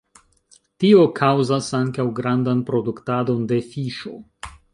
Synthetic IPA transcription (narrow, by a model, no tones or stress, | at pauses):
tio̞kʰawzasaŋkawɡɾandanpɾo̞duktado̞nde̞fiʃo̞̰